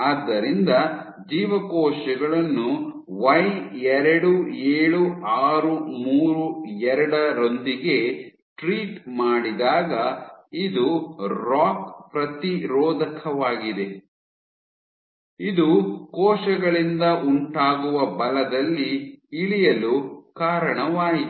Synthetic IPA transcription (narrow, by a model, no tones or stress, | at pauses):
aːd̪ːɐɾind̪ɐ | d͡ʒiːʋɐkɔːʃɛɡɐɭɐnːu | ʋɐjɛɾɐɽueːɭuaːɾumuːɾuɛɾɐɽɐɾo̞nd̪iɡe̞ | ʈɾiːʈmaːɽid̪aːɡɐid̪uɾaːkpɾɐt̪iɾɔːd̪ɐkʰɐʋaːɡid̪e̞ | id̪ukɔːʃɐɡɐɭind̪ɐʔuɳʈaːɡuʋɐbɐlɐd̪ɐlːiɭijɐlukaːɾɐɳɐʋaːjit̪